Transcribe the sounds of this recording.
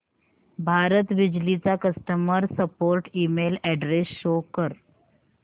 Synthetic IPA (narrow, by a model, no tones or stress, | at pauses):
bʱaɾət̪ʋid͡ʑlit͡sakəsʈəməɾsəpoɾʈimelɛɖɾesɕokəɾ